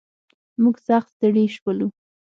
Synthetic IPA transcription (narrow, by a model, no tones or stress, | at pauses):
muɡsaxt̪st̪əɽeʃwəlu